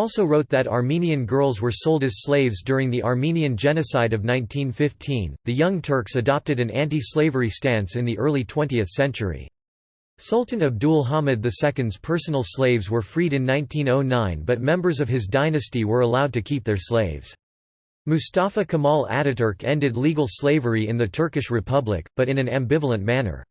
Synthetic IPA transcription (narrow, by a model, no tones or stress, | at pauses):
ɔlˠsoʊɹoʊt̪̚ðɨɾɑ̰ɹmĩniɨ̃nɡɜ˞lˠzwə˞soʊlˠdɨz̥sleɪvzdʊɹɪ̃ŋðiʔɑɹmĩniɨ̃nd͡ʒɛnɨsaɪɾʌvnãɪ̃ntʰĩnfɪftʰĩnðɨjʌ̃ŋtʰɜ˞ksɨdɑp̚tɨɾɨ̃næ̃ntisleɪvə˞istæ̃nsɨ̃nðiʔɜ˞lˠitʰw̥ɛ̃ntiɨθsɛ̃nt͡ʃə˞ḭ | sʌlˠtn̩ɨb̚dulˠɦɑmɨd̪̚ðɨsɛkɨ̃ndz̥pʰɜ˞sn̩l̩ˠsleɪvzwə˞fɹiɾɨ̃nːãɪ̃ntʰĩnoʊnãɪ̃nbʌt̚mɛ̃mbə˞zʌv̥ɨzdaɪnɨstiwə˞əlaʊd̚tɨkʰip̚ðə˞sleɪvz̥ | mʉstæfəkʰəmɔlˠæ̰ɾɨɾə˞kʰɛ̃ndɨdˡliɡl̩ˠsleɪvə˞iɨ̃nðɨtʰɜ˞kɨʃɹɨpʰʌblɪ̰k̚b̥ʌɾɨ̃ñɨ̃næ̃mbɪvl̩ˠə̃nmænə̰˞